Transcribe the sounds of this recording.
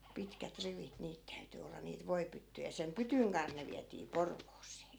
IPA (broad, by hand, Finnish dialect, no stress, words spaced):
pitkæt riʋit niːt tæyty olːɑ niːt ʋoipytːyjæ sem pytyŋ kɑnh ne ʋiætiː porʋoːseː